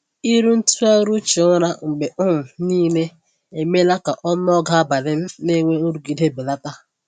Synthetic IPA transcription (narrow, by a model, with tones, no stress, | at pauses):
i˦ɾu˦n̩˦tu˦a˦ɾu˦t͡ʃi˨˦ʊ˦ɾa˦ŋ͡m̩˨ɡ͡be˨ʊ˦m̩˨niː˦ne˦ | e˨me˦la˦ka˨ʔɔ˦n˦ɔ˦ɡa˨a˦ba˨ɾe˦m̩˦ne˦ŋʷe˦o˦ɾu˨ɡi˨de˦be˨la˦ka˦˨